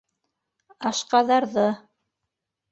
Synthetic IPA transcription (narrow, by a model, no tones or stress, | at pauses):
ɑʃqɑðɑɾðɤ